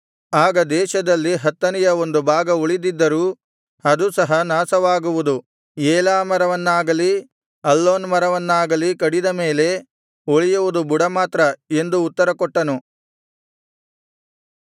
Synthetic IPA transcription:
aːɡɐd̪ɛːʃɐd̪ɐlːiɦɐt̪ːɐnɛjɐo̞nd̪ubʱaːɡɐoɭid̪id̪ːɐɾuː | ɐd̪usɐɦɐnaːsɐʋaːɡuʋud̪u | jeːlaːmɐɾɐʋɐnːaːɡɐli | ɐlːoːnmɐɾɐʋɐnːaːɡɐlikɐɽid̪ɐme̞ːle̞ | oɭijuʋud̪ubuɽɐmaːt̪ɾɐe̞nd̪uːt̪ːɐɾɐkɔʈːɐnu

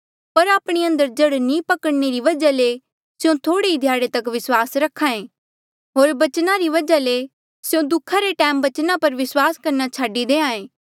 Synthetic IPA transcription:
pɐɾaːpɽ̃iɐ̃nd̪əɾd͡ʒɐɽnĩːpɐkəɽneɾiʋɐd͡ʒale | sɪjõt̪ʰoːɽeid̪ʱjaːɽet̪ɐkʋɪswaːsɾɐkʰːãːẽː | ɦoːɾbɐt͡ʃnaɾiʋɐd͡ʒale | sɪjõd̪ʊkʰːaɾeʈɛːmbɐt͡ʃnapɐɾʋɪswaːskɐɾnat͡ʃʰaːɖid̪eːãːẽː

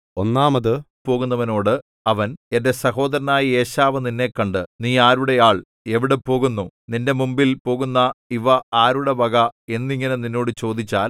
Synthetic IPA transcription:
o̞nːaːmɐðɨ | po̞ːɣunːɐʋɐno̞ːɽɨ | ɐʋɐne̞nde̞sɐɦo̞ːd̪ɐɾɐnaːjie̞ːɕaːʋɐninːe̞kːɐɳɖɨniːaːɾuɽe̞jaːɭ | e̞ʋiɽe̞po̞ːɣunːuninde̞mumbilpo̞ːɣunːɐiʋɐaːɾuɽe̞bɐɣɐe̞nːiŋːɐne̞ninːo̞ːɽɨt͡ɕo̞ːd̪ʱit͡ɕːaːl

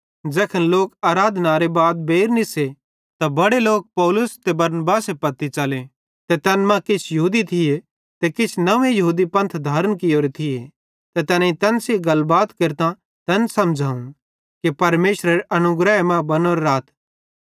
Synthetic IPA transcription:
d͡ʒɛːkʰənloːkaːɾaːd̪naɾebaːd̪̚beːɾnɪse | t̪abɐɽeloːk̚pɔːlʊst̪ebɐɾnbaːsepɐt̪ːit͡ʃɐle | t̪et̪ɛnmãkɪt͡ʃʰjɐɦuːd̪it̪ʰɪje | t̪ekɪt͡ʃʰnɐʋẽjɐɦuːd̪ipɐ̃nt̪ʰd̪ʱaːɾənkɪjoːɾet̪ʰɪe | t̪et̪ɛːnãĩt̪ɛnseɡɐlbaːt̪keɾt̪ã | t̪ɛnsɐmd͡ʒʱaːʊn | kepɐɾmeːʃɾeɾeʔɐnʊɡɾɛmãbɐnoːɾeɾaːt̪ʰ

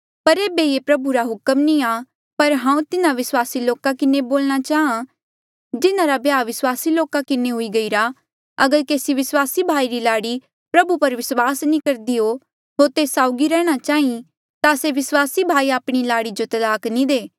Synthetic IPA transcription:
pɐɾeːbeepɾɐbuɾaɦʊkəmnĩa | pɐɾɦãːũt̪ɪnãʋɪswaːsiloːkakɪneboːlɽ̃at͡ʃaːɦã | d͡ʒɪnãɾabjaːʋɪswaːsiloːkakɪneɦʊiɡɐiɾa | ɐɡəɾkeːsiʋɪswaːsibʱaːiɾilaːɽi | pɾɐbupɐɾʋɪswaːsnĩkɐɾd̪iɦo | ɦoːɾt̪eːsaːʊɡiɾɛːɽ̃at͡ʃaːĩ | t̪aseʋɪswaːsibʱaːiaːpɽ̃ilaːɽid͡ʒot̪ɐd̪aːknĩd̪eː

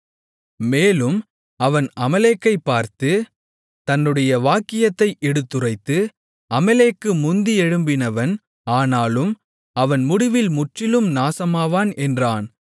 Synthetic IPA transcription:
meːlɯm | ɐʋɐnʔɐmɐleːkːɐɪpːaːɾt̪ɯ | t̪ɐnːɯɽɐjɐʋaːkːɪjɐt̪ːɐɪʔɛɽɯt̪ːɯrɐɪt̪ːɯ | ɐmɐleːkːɯmʊnd̪iɛɻɯmbɪnɐʋɐn | aːnaːlɯm | ɐʋɐnmʊɽɪʋɪlmʊʈrɪlɯmnaːsɐmaːʋaːnɛndraːn

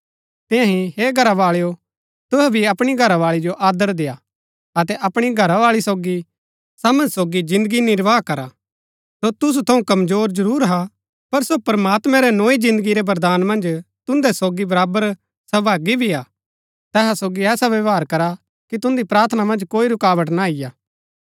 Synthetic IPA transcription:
t̪ɪ̃jãɦĩɦeːɡʱɐɾaʋaːɭjo | t̪ʊɦɛbʱiɐpɽ̃iɡʱɐɾaʋaːɭid͡ʒoʔaːd̪əɾd̪eja | ɐt̪ɛʔɐpɽ̃iɡʱɐɾaʋaːɭisoːɡi | saːmə̃nsoːɡid͡ʒɪ̃nd̪əɡinɪɾʋaːkɐɾa | sot̪ʊs̬ut̪ʰɐũkɐmzoːɾzɐɾuːɾɦa | pɐɾsopɾmaːt̪mɛ̃ɾɛnoːid͡ʒɪ̃nd̪əɡiɾɛbɐɾd̪aːnmɐ̃nd͡ʒt̪ʊ̃nd̪ɛsoːɡibɐɾaːbəɾ | sɐbʱaːɡibʱiaː | t̪ɛːsasoːɡiɛːsaʋeʋaːɾkɐɾa | kit̪ʊ̃nd̪ipɾaːɾt̪ʰənamɐ̃nd͡ʒkoːiɾʊkaːʋəʈnaɪjaː

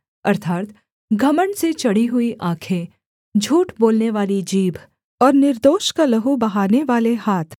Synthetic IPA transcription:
ɐɾt̪ʰaːt̪ | ɡʱɐməɳɖset͡ʃɐɽ̤iɦʊiʔãːkʰe | d͡ʒʱuːʈboːlneʋaːlid͡ʒiːbʱ | ɔːɾnɪɾd̪oːʃkalɐɦubɐɦaːneʋaːlehaːt̪ʰ

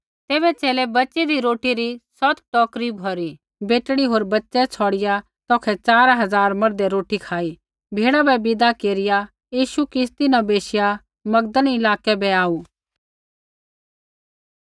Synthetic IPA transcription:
t̪eːβɛt͡ʃeːlɛbɐːt͡ʃɛd̪iɾoːʈiɾisɔt̪ʈɔːkɾibʱɔːɾi | beːʈɽiɦoːɾbɐtːʃɛt͡sʰɔːɽɪja | t̪ɔːkʰɛt͡saːɾaɦɐzaːɾmɐɾd̪ɛɾoːʈikʰaːi | bʱeːɽabɛbɪd̪akeːɾɪja | jiːʃukɪst̪inɐbeːʃɪja | mɐɡd̪ənɪlaːkɛbɛaːu

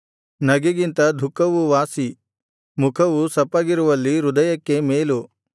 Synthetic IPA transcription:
nɐɡeɡint̪ɐd̪ʱukːɐʋuʋaːsi | mukʰɐʋusɐpːaːɡiɾuʋɐlːiɾud̪ɐjɐkːe̞meːlu

